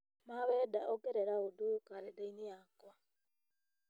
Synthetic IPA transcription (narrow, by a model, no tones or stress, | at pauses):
mawɛdaʔɔɡɛɾɛɾaodokaɾɛdainejakwa